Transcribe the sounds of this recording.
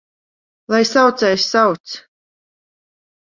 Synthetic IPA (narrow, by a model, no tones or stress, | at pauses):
lˠajsawt̪sɛjsʲsawt̪s